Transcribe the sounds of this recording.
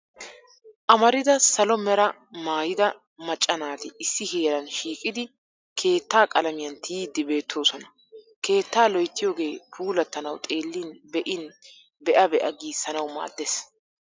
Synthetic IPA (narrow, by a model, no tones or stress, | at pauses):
ʔɐmɐɾɪd̪ɐsɐlɔmɛɾɐ | maːjɪd̪ɐ | mɐt͡ʃʼːɐnaːt̪ɪɪsːɪheːɾɐnʃiːkʼɪd̪ɪ | kʰe̞ːt̪ːaːkʼɐlɐmɪjɐnt̪ʰiːd̪ːɪbe̞ːt̪ʰːo̞ːsɔnɐ | ke̞ːt̪ːaːlɔjt̪ːɪjo̞ːɡe̞ːpʰuːlɐt̪ːɐnɐwt̪ʼeːlːinbɛʔɪn | bɛʔɐbɛʔɐɡiːsːɐnɐwma̰ːd̪ːes